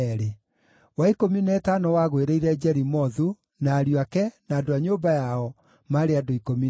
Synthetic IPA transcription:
ɾe | waikominɛːtanɔwaɣweɾeiɾɛd͡ʑɛɾimɔðu | naːɾjwakɛnaːdoaɲoːmbajaɔ | maɾeadoikomi

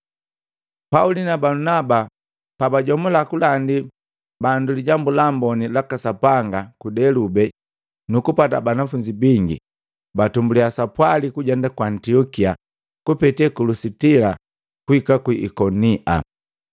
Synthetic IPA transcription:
paulinabalunaba | pabaɟɔmulakulandi | banduliɟambulambɔnilakasapaŋɡakudɛlubɛ | nukupata̰banafuɲd͡ʒibiŋɡḭ | batumbuliasapwalikuɟɛndakwantiɔkia | kupɛtɛkulusitila | kuikakwiʔːkɔniʔa̰

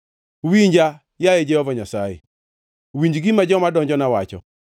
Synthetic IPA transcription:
wiɲd͡ʒa | jajed͡ʒɛhɔvɔɲasajḛ | wiɲd͡ʒɡimad͡ʒɔmadɔɲd͡ʒɔnawat͡ʃɔ̰

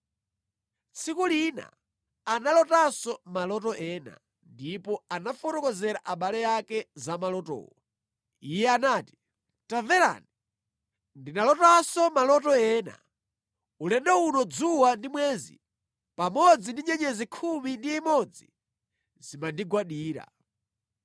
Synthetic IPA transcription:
t͡sʰikulina̰ | analɔtasɔmalɔtɔʔɛːna̰ | ndipɔanafɔtɔkɔzɛɾaʔaɓalɛjakɛzamalɔtɔ̰ːwa | ijɛanaːti̥ | tavɛɾa̰ːni | ndinalɔtasɔmalɔtɔɛːna̰ | ulɛndɛunɔd͡zuwandimwɛːzḭ | pamɔd͡zindiɲɛɲɛzikʰumindiːmɔd͡zḭ | zimandiɡwaɗiːɾa̰

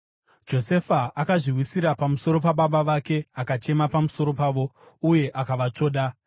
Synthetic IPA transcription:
d͡ʒo̞se̞faakaʐiwisiɾapamuso̞ɾo̞paɓaɓaʋake̞akat͡ʃe̞mapamuso̞ɾo̞paːʋo̞ | uje̞ʔakaʋat͡ʂo̞ːɗa

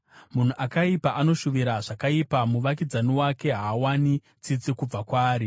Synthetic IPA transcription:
mun̤uʔakaipaʔano̞ʃuʋiɾaʐakaipamuʋak̬id͡zaniwake̞ɦaːwani | t͡sit͡sikub͡vakwaːɾi

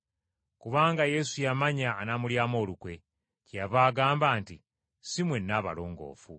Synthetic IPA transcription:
kuβaːŋɡaje̞sujamaɲaːnamuljaːmo̞ːlukwe̞ | cjaβaːɡaːmbaːnti | simwe̞nːaːβa̰lo̞ːŋɡo̞̰ːfu

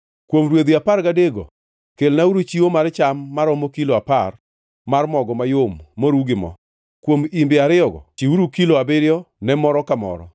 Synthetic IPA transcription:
kwomɾwed̪iapaɾɡadeɡo̰ | kelnauɾut͡ʃiwomart͡ʃamːaɾɔmokiloapar | marmɔɡɔmajomːoɾuɡɪmɔ̰ | kwomimbɪaɾɪɔɡɔ̰t͡ʃiuɾukiloabɪɾɪjɔnɛmɔɾɔkamɔ̰ɾɔ̰

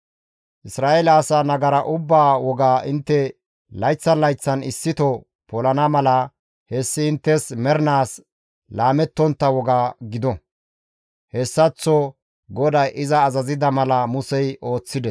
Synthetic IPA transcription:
ʔɪsɾaːʔelaːsɐnɐɡɐɾɐʔʊbːaːwɔɡaːʔɪnt̪ːɛ | lɐjt͡sːɐnlɐjt͡sːɐnɪsːɪt̪ɔ | pɔlɐnɐmɐlɐ | hɛsːɪɪnt̪ːɛsmɛɾnaːs | laːmɛt̪ːɔnt̪ːɐwɔɡaːɡɪd̪ɔ | hɛsːɐt͡sːɔ | ɡɔd̪ɐjʔɪzɐːzɐzɪd̪ɐmɐlɐmʊsɛjʔo̞ːt͡sːɪd̪ɛs

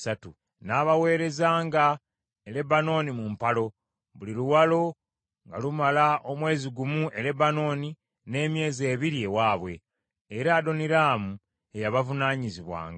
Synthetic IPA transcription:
satu | naːβawe̞ːɾe̞zaːŋɡa | ele̞bano̞nimumpalo̞ | βuliɾuwalo̞ | ŋɡalumalaʔo̞mwe̞ːziɡumuʔe̞ɾe̞bano̞ːni | ne̞ːmje̞ːze̞ːβiɾiewaːβwe̞̰ː | ɾaːdo̞niɾaːmu | ejaβavunaːɲiziβwa̰ːŋɡa

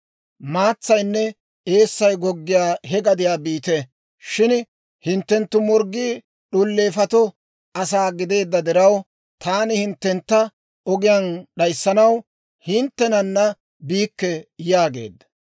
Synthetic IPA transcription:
maːt͡sːɐjnːɛ | ʔe̞ːsːɐjɡɔɡːɪjaːhɛɡɐd̪ɪjaːbiːt̪ɛ | ʃɪn | hɪnt̪ːɛnt̪ːʊmɔɾɡːiː | ɗʊlːe̞ːfɐt̪ɔ | ʔɐsaːɡɪd̪e̞ːd̪ːɐd̪ɪɾɐw | t̪aːnɪhɪnt̪ːɛnt̪ːɐ | ɔɡɪjɐnɗɐjsːɐnɐw | hɪnt̪ːɛnɐnːɐ | biːkːɛjaːɡe̞ːd̪ːɐ̥

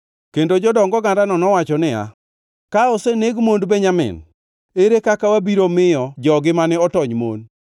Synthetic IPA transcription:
kendod͡ʒɔdɔŋɡɔɡandanɔnɔwat͡ʃɔnɪa̰ | kaɔseneɡmondbeɲamɪ̰n | eɾekakawabiɾomɪjɔd͡ʒɔɡɪmanɪɔtɔɲmo̰n

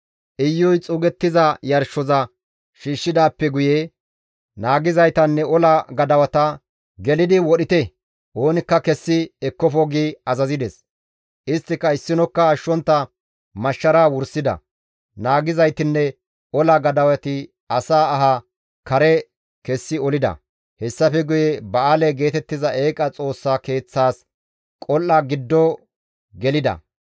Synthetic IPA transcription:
ʔɪjːɔjt͡sʼʊɡɛt̪ːɪzɐjɐɾʃːɔzɐ | ʃiːʃːɪd̪aːpːɛɡʊjɛ | naːɡɪzɐjt̪ɐnːɛɔlɐɡɐd̪ɐwɐt̪ɐ | ɡɛlɪd̪ɪwɔɗɪt̪ɛ | ʔo̞ːnɪkːɐkɛsːɪɛkːɔfɔɡiɐzɐzɪd̪ɛs | ʔɪst̪ːɪkːɐɪsːɪnɔkːɐːʃːɔnt̪ːɐ | mɐʃːɐɾaːwʊɾsɪd̪ɐ̰ | naːɡɪzɐjt̪ɪnːɛ | ɔlɐɡɐd̪ɐwɐt̪ɪ | ɐsaːɦɐ | kɐɾɛ | kɛsːɪɔlɪd̪ɐ̰ | hɛsːɐfɛɡʊjɛbɐaːlɛɡe̞ːt̪ɛt̪ːɪzɐʔe̞ːkʼɐt͡sʼo̞ːsːake̞ːt͡sːaːs | kʼɔlːɐɡɪd̪ːɔ | ɡɛlɪd̪ɐ̰

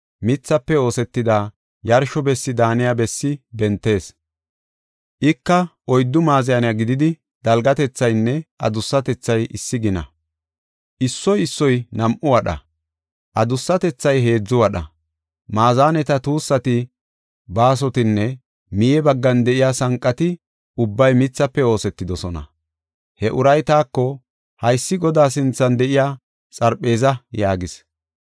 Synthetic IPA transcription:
mɪt͡sːɐpːɛo̞ːsɛt̪ːɪd̪aː | jɐɾʃɔbɛsːɪd̪aːnɪjabɛsːɪbɛnt̪ːe̞ːs | ʔɪkːɐʔɔjd̪ːʊmaːzɪjɐnɪjaɡɪd̪ɪd̪ɪ | d̪̥ɐlɡɐt̪ɛt͡sːɐjnːɛʔɐ̰d̪ʊsːɐt̪ɛt͡sːɐjɪsːɪɡɪnɐ̰ | ʔɪsːɔjɪsːɔjnɐmʔʊwɐɗɐ̰ | ʔɐd̪ʊsːɐt̪ɛt͡sːɐjɦe̞ːd͡zːʊwɐɗɐ̰ | maːzaːnɛt̪ɐt̪uːsːɐt̪ɪ | baːs̬ɔt̪ɪnːɛ | mɪjɛbɐɡːɐnd̪ɛʔɪjaːsɐŋkʼːɐt̪ɪ | ʊbːɐjmɪt͡sːɐpːɛo̞ːsɛt̪ːɪd̪ɔsɔnɐ̰ | hɛʔʊɾɐjt̪aːkːɔ | hɐjsːɪɡɔd̪aːsɪnt͡sːɐnd̪ɛʔɪjaː | sʼɐɾpʼːe̞ːzɐjaːɡɪs

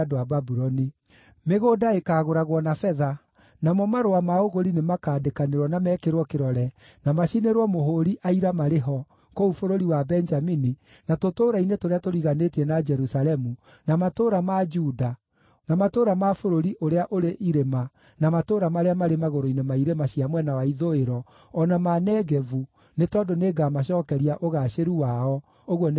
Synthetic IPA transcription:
doababuɾɔni | meɣoːdaekaːɣoɾaɣwɔnafɛða | namɔmaɾoamaoɣoɾinemakaːdekaneɾwɔnamɛːkeɾwɔkeɾɔɾɛ | namaʃineɾwɔmoɦoɾiʔaiɾamaɾeɦɔ | koufoɾoɾiwabɛnd͡ʒamini | natotoːɾainetoɾeatoɾiɣanetiɛnad͡ʒɛɾusalɛmu | namatoːɾamad͡ʒuda | namatoɾamafoɾoɾiʔoɾeaʔoɾeʔiɾema | namatoɾamaɾeamaɾemaɣoɾoinemaiɾemaɕiamwɛnawaiðoeɾɔː | namanɛɡɛvu | netɔdoneɡamaɕ̬ɔːkɛɾiaʔoɣaɕeɾuwaɔ | oɣwɔn

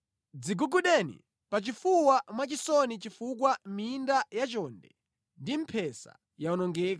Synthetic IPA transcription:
d͡ziɡuɡuɗɛnḭ | pat͡ʃifuwamwat͡ʃisɔnit͡ʃifuk̬wamindajat͡ʃɔndɛ̰ | ndim̩pʰɛsa̰ | jaɔnɔŋɡɛːk̬a

